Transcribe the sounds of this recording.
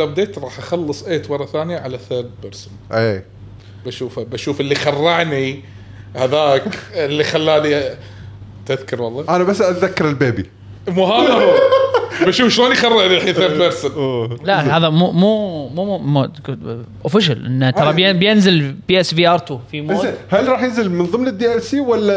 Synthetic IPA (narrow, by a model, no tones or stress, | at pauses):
ab̚d̪eːt̪ɾˤɑːħʔaxɑlːɨsˤʔeːt̪wɑɾˤɑθaːnjaʕalaθəːbbɑɾsnʔeː | baʃuːfabaʃuːfɪlːixɑrˤːɑʕni | haðaːkɪlːixalːaːd̪i | t̪ɪðkʊɾˤwɑlˤːɑːʔanabasːʔat̪ðakːɑɾɪlbeːbi | muhaːna | baʃuːfʃloːnixɑrˤːɑʕd̪iħiθabɑɾsɪnlahaːðamumuːmum | ʔʊfɪʃ̬alʔɪ̰nːt̪ɑɾˤɑbjɪbjɪnzɪlbiʔɛsviːʔɑɾˤt̪ufimːhalɾˤɑːħjɪnzɪlmɪnðˤɨmnɪd̪ːijɾsiːwalːa